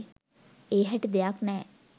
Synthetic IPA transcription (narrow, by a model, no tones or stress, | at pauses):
eːɦæʈid̪ejaknɛː